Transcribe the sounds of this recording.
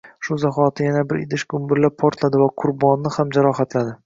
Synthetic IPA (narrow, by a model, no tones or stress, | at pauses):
ʃʊzaχɒt̪ʰɪjanabɪɾɪd̪ɪʃɡʊmbɪɾlap̚pʰɒɾt̪lad̪ɪvaqʰʊɾbɒnːɪhamd͡ʒaɾɒɦat̪lad̪ɪ